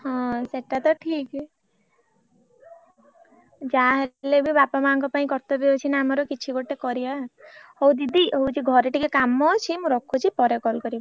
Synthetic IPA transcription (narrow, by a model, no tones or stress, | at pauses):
hɔ̃seʈat̪ɔʈʰik | d͡ʒaɦelebibapamaŋk̬ɔpaĩkɔɾt̪ɔbiɦot͡ʃʰinaːmɔɾɔkit͡ʃʰiɡoʈekɔɾiahowd̪id̪iowt͡ʃʰiɡʱɔɾeʈikekamɔt͡ʃʰimũɾɔkʰut͡ʃʰipɔɾekɔlkɔɾibɔ